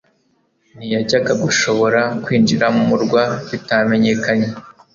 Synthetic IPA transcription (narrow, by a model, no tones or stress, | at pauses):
nijaɟaɡaɡuʃo̞βo̞ɾakwiːnd͡ʒiɾamumuɾɡwaitame̞ɲe̞kaɲe